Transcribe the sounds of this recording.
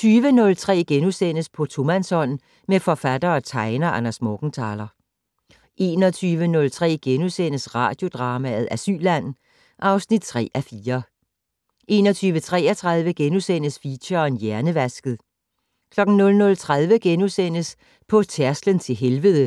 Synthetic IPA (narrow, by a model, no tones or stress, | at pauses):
t͡sʰyːʋənɔ̽lt͡sʰʁɛ̰ːɡ̥enusen̰əspʰɒ̽t͡sʰo̝mænsɒ̽n̰ | mefɒ̽fæd̥ɐːt͡sʰɑ̈ɪnɐʔænæsmɔɡ̥n̩t͡sʰɑ̈ːlɐ | ʔe̝ːnɒt͡sʰyːʋənɔ̽lt͡sʰʁɛ̰ːɡ̥enusen̰əsʁɑ̰̈ːd̥jo̝d̥ʁɑ̈ːmæð̞̩ˠæsy̰ːlæn̰ | ʔɑ̈ʊsnid̥̚t͡sʰʁɛ̰ːʔæfiːɐ | ʔe̝ːnɒt͡sʰyːʋət͡sʰʁɛ̰ːɐt͡sʰʁɑð̞ˠʋəɡ̥enusen̰əsfiɕɐnjæɐnəʋæsɡ̥ð̩ˠ | kʰlɒ̽ɡ̥n̩nɔ̽lnɔ̽lt͡sʰʁað̞ˠʋəɡ̥enusen̰əs | pʰɒ̽t͡sʰæɐslənt͡sʰe̝lɦelʋəðˠə